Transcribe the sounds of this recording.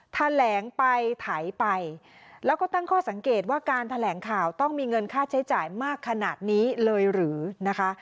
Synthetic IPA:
t̪ʰa˧lɛː˩˦ŋpa˧jt̪ʰa˨˩˦jpa˧jlɛː˦˥wkɔː˥˩t̪a˥˩ŋkʰɔː˥˩sa˩˦ŋkeː˨˩t̪̚waː˥˩kaː˧nt̪ʰa˧lɛː˩˦ŋkʰaː˨˩wt̪ɔ˥˩ŋmiː˧ŋɤ˧nkʰaː˥˩t͡ɕʰa˦˥jt͡ɕaː˨˩jmaː˥˩kʰːa˧naː˨˩t̪̚niː˦˥lɤː˧jɾɯː˩˦na˦˥kʰa˦˥ʔ

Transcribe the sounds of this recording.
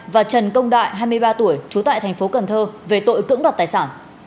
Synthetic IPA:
vaː˨˩t͡ɕə˨˩nkə˧wŋ͡mɗa̰ː˧˨jɦaː˧jmɨ˧əjɓaː˧t̪u˧˩əjt͡ɕu˨˦t̪a̰ː˧˨jt̪ʰɛ˨˩ŋ̟fo˨˦kə˨˩nt̪ʰəː˧ve˨˩t̪o̰˧˨jkɨ̰˧˥əŋɗaː˨˩t̪̚aː˨˩saː˧˩n

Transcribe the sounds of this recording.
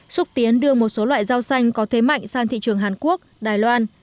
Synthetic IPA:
sʊ˦˥k͡p̚t̪i˨˦ənɗɨ˧əmo˨˩t̚so˨˦lwa̰ː˧˨jzaː˧wsa˧jŋ̟kɔ˨˦t̪ʰe˨˦ma̰˧˨jŋ̟saː˧nt̪ʰḭ˧˨t͡ɕɨ˨˩əŋɦaː˨˩nku˦˥ək̚ɗaː˨˩jlwaː˧n

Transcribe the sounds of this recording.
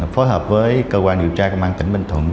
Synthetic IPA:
fo˨˦jɦəː˨˩p̚vəː˨˦jkəː˧kwaː˧nɗi˨əwt͡ɕaː˧ku˧˩˦maː˧ŋt̪ï˧˩ŋ̟ɓi˧˩ŋ̟t̪ʰwə̰˨˧˩ən

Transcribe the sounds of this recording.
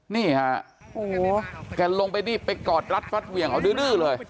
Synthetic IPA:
niː˥˩ha˧˩ | ʔoː˨˩˦kɛː˧˩lo˧ŋpa˧jniː˥˩pa˧jkɔː˨˩t̪̚ɾa˦˥t̪̚fa˦˥t̪̚wi˨˧˩əŋʔa˧˩wdɯː˧˥˦lɯː˥˩lɤː˧j

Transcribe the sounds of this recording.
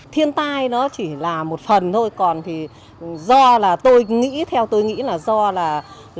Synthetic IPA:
t̪ʰi˧ənt̪aː˧jnɔ˨˦t͡ɕi˧˩laː˨˩mo˨˩t̚fə˨˩nt̪ʰo˧jkɔ˨˩nt̪ʰi˨˩ | zɔ˧laː˨˩t̪o˧jŋḭ˧˥t̪ʰɛ˧wt̪o˧jŋḭ˧˥laː˨˩zɔ˧laː˨˩

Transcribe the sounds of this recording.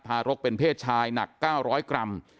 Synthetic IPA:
t̪ʰaː˧ɾo˦˥k̚pe˧npʰeː˥˩t̪̚t͡ɕʰaː˧jna˨˩kːaː˥˩wɾɔː˦˥jkɾa˧m

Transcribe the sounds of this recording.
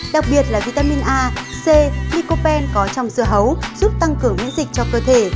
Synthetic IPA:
ɗa˨˩k̚ɓi˨˩ət̚laː˨˩vi˧˩t̪aː˧mi˧nʔaː˧ | se˧li˧ko˧pɛ˧nkɔ˨˦t͡ɕɔ˧wŋ͡mzɨ˧˩əɦə˨˦wz̥u˦˥p̚t̪a˧ŋkɨ˧˩əŋːḭ˧˥nzï˨˩k̚t͡ɕɔ˧kəː˧t̪ʰe˧˩

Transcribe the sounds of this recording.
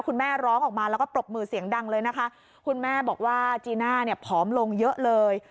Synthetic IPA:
kʰu˧nmɛː˥˩ɾɔː˦˥ŋʔɔː˨˩k̚maː˧lɛ˦wkɔː˥pɾo˨˩p̚mɯː˧si˨˩˦əŋda˧ŋlɤː˧jna˦˥kʰa˦˥ʔ | kʰu˧nmɛː˥˩bɔː˨˩k̚waː˥˩t͡ɕiː˧naː˥˩ni˥˩ɐpʰɔː˦˥mlo˧ŋjɤ˦˥ʔlɤː˧j

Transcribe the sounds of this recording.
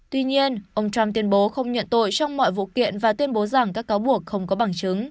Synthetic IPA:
t̪wi˧ɲi˧ənʔə˧wŋ͡mt͡ɕa˧mt̪i˧ənɓo˨˦xə˧wŋ͡mɲə̰˧˨nt̪o̰˧˨jt͡ɕɔ˧wŋ͡mmɔ̰˧˨jvṵ˧˨kḭ˧˨ənvaː˨˩t̪wi˧ənɓo˨˦za˨˩ŋkaː˦˥kːaː˨˦wɓu˨˩ək̚xə˧wŋ͡mkɔ˨˦ɓa˧˩ŋt͡ɕɨ˨˦ŋ

